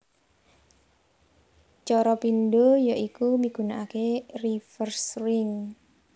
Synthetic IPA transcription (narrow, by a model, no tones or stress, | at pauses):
t͡ʃɔɾɔpinɖojaʔikumiɡ̥unaʔakerifərsɾɪŋ